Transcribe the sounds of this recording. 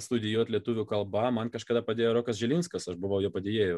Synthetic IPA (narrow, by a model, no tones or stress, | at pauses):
st̪ʊd̪ʲɪjuɔt̪lʲiɛt̪uːʋʲʊkɐlˠbɐmɐnkɐʃkɐːd̪ɐpɐd̪ʲeːjoːɾoːkɐsʒʲɛlʲɪnskɐsɐʃbʊʋɐʊjɛːpɐd̪ʲeːjeːjʊ